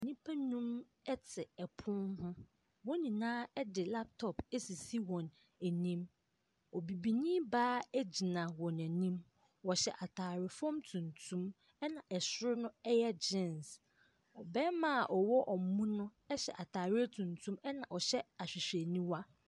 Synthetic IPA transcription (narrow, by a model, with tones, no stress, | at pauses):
nĩ˦pʰa˦nũ˦m | ɛ˦tʰɪ˨ɛ˨pʰʊ˦nhʊ̃˦ | wɔ̃˦nĩ˨nãː˦ɛ˦dɪ˨la˦p̚tʰɔ˨pɛ˦si˨si˦wɔ̃˨n | æ˨nĩ˦m | ɔ˨bi˨bi˨nĩ˦baː˦æ˦d͡ʑi˨nã˨wɔ̃˨n˨æ˨nĩ˦m | wɔ˨ɕɛ˨ʔa˨tʰaː˨ɾɪ˨fɔ̃˦mtʰũ˨ntʰũ˦m | ɛ˦nã˨ʔɛ˨sʊ˦ɾʊ˦nʊ̃˦ɛ˦jɛ˦d͡ʑɪ̃˦˨ns | ɔ˨bɛ˦mã˦a˨ʔɔ˨wɔ˦ʔɔ˨mũ˦nʊ̃˦ | ɛ˦ɕɛ̰˨ʔa˨tʰaː˨ɾɪ˦ɛ˦tʰũ˨ntʰũ˦mɛ˦nã˨ʔɔ˨ɕɛ˦a˨ɕᶣɪ˨ɕᶣe˨nĩ˦wa˦